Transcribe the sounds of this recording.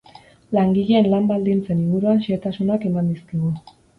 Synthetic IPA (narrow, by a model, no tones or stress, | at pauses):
laŋɡiʎeːnlambald̪int͡se̞niŋɡuɾuanʃet̪asunake̞mand̪iskiɣu